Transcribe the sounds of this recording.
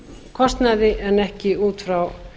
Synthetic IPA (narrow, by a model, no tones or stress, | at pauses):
kʰɔst̪naðɪʔɛnɛhcɪuːt̪fɾaw